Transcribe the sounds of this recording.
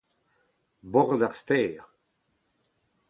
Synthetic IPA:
bɔʁdaʁst̪ɛːʁ

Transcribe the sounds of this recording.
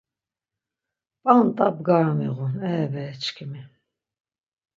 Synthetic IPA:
pʼant̪ʼapɡaːmḭʁunɛːbɛːt͡ʃʰkʰimi

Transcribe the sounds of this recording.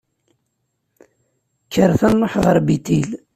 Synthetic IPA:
kːəɾθænːoħʁəɾbit̪il

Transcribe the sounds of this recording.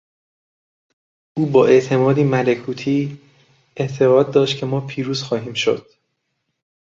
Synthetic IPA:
ʔuːbɒːʔe̞ʔt̪ʰe̞mɒːd̪iːmælekʰuːt̪ʰiː | eʔt̪ʰe̞ʁɒːd̪̚ːɒːʃt̪̚cʰe̞mɒːpʰiːɾuːz̥xɒːɦiːmʃo̰d̪̥

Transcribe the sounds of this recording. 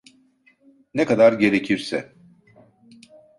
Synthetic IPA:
nɛkad̪aɾɟe̞ɾecʰiɾsɛ̰

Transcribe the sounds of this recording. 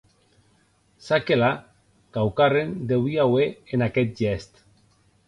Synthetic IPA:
sakela | kawkarend̪ewiaweenakɛt̪̚ʒɛst̪

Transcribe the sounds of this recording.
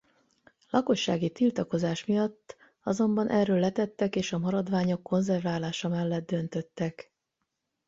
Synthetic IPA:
lʔɒko̞ʃːaːɡit̪ilt̪ɒko̞zaːʃmijɒt̪ː | ɒzo̞mbɒnʔɛrøːlːɛt̪ɛt̪ːɛkeːʃɒmɒɾɒd̪ʋaːɲo̞kːo̞nzɛrvaːlaːʃɒmɛlːɛd̪̚d̪ːø̞nt̪ø̞t̪ːɛk

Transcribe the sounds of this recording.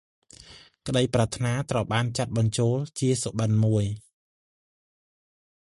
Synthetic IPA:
kəɗəjprat̪ʰnaːt̪rəwɓaːnt͡ɕat̪̚ɓɑɲt͡ɕoːlt͡ɕiəsoɓənmuəj

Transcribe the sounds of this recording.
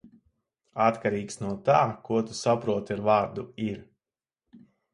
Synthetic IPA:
at̪kaɾiːksnuɔt̪aːkuɔt̪u̥sapɾuɔt̪aɾvaːɾd̪uiɾ

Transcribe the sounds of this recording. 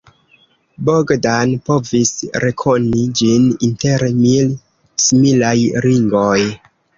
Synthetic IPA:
boɡdanpo̞visɾe̞kʰo̞nid͡ʒininte̞ɾemil | similajɾiŋɡo̞j

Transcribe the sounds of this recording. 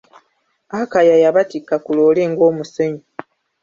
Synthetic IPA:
akajajaβatikːakulo̞ːleːŋɡo̞ːmuseɲi

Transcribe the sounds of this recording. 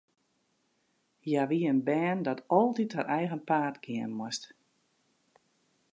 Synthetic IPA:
jaʋiənbɛːndɔtɔlˠtithəɾʔɛjɣənpaːtɡɪənmwɔst

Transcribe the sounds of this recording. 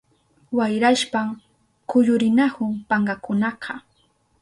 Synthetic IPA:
wajɾaʃpaŋ | kʊʎʊɾɪnahʊŋpaɴɢɑkʊnɑqʰɑ

